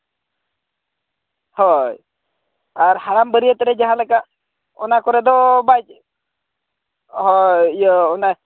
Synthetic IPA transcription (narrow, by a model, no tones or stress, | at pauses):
hɔj | aɾhaɾambəɾijət̪ɛɾɛd͡ʒaɦãlɛka | ɔnakɔɾɛd̪ɔbajt͡ʃ̚ | hɔjɔɔna